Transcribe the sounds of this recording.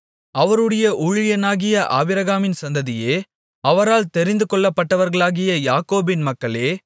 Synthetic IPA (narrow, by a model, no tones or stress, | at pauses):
ɐʋɐɾɯɽɐjɐʔʊɻɪjɐnaːɣɪjɐʔa̰ːʋɪɾɐɣaːmɪnsɐnd̪ɐðɪjeː | ɐʋɐɾaːlt̪ɛɾɪnd̪ɯkɔɭːɐpːɐʈːɐʋɐɾɣɐɭaːɣɪjɐjaːkoːbɪnmɐkːɐɭeː